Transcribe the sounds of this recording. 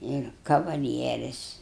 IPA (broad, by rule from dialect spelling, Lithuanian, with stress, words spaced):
ˈɪr kɐʋɐˈlʲiɛrʲɪs